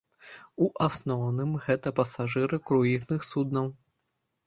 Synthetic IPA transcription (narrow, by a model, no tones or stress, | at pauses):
uʔasnɔwnɨmɣɛt̪ɐpɐsaʐɨɾɨkɾuiznɨxsud̪nɐw